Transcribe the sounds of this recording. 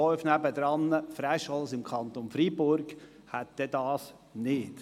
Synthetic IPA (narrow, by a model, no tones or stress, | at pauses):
ɔʏfnæbəd̪ɾɑnːəfɾæʃɑlsɪmkʰɑnt̪onfɾibʊɾɡ | hæt̪̚d̥̪ɛd̪ɑːs | nɪt